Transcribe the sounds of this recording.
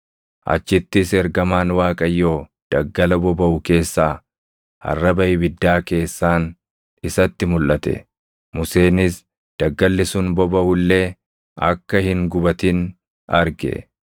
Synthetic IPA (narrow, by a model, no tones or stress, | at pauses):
ʔɐ̰t͡ʃːɪt̪ːɪsɛɾɡɐmaːnwaːkʼɐjːo̞ː | d̪̥ɐɡːɐlɐbɔbɐʔʊke̞ːsːaː | ɐ̰rːɐbɐʔɪbɪd̪ːaːke̞ːsːaːn | ɪsɐt̪ːɪmʊlʔɐt̪ɛ̰ | mʊse̞ːnɪs | d̪̥ɐɡːɐlːɪsʊnbɔbɐʔʊlːe̞ː | ɐ̰kːɐhɪŋɡʊbɐt̪ɪn | ɐɾɡɛ̰